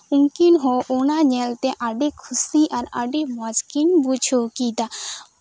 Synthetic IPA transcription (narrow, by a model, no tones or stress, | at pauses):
uŋkinɦɔʔunaɲɛlt̪ɛʔaɖekʰusiʔaɾa̰ɖemad͡ʒkinbud͡ʒʰʱokid̪a